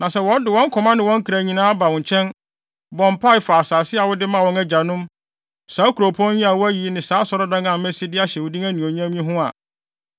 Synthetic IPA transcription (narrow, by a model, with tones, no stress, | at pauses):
nã˨sɛ˦wɔ̃˦n˦dɪ˨wɔ̃˦ŋ̩˦kʰɔ˨mã˦nɪ̃˨wɔ̃˦ŋ̩˦kʰɾæ˨ɲĩ˨nãː˦ba˨wɔ̃˨ɲ˨t͡ɕʰɛ̃˦n | bɔ̃˨mpʰa˦ɪ˨fa˨a˨saː˨sɪ˦a˨wʊ˦dɪ˦mã˦˨wɔ̃˦ŋɛ˦d͡ʑa˨nʊ̃˦m | saː˨˦kʰu˨ɾo˨pʰɔ̃˦ĩ˦a˨wʊ˦æ˦ji˨˦nɪ̃˨saː˨˦sɔ˨ɾɔ˦dã˦ŋã˨mɛ˦si˦dɪ˦a˦ɕɛ˨wʊ˨dĩ˦ŋæ˦nĩ˨o˨ɲ˦ã˦mĩ˦ĩ˦ɦʊ̃˦a˨